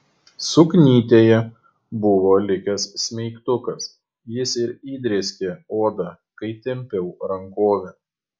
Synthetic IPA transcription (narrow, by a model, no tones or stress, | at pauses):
sʊknʲiːt̪ʲeːjɛ | bʊʋoːlʲɪkʲɛsːʲmʲɛɪkt̪ʊkɐs | jɪsɪɾiːd̪ʲɾʲeːsʲkʲeːoːd̪ɐ | kɐɪt̪ʲɛmʲpʲɛʊɾɐŋkoːʋʲɛ